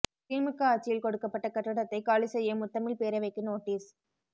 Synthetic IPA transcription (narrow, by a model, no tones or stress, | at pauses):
tiːmɯkːɐaːt͡ʃːɪjɪlkɔɽɯkːɐpːɐʈːɐkɐʈːɯɽɐt̪ːɐɪkaːɭisɛjːɐmʊt̪ːɐmɪlpeːɾɐɪʋɐɪkːɯnoːʈːiːs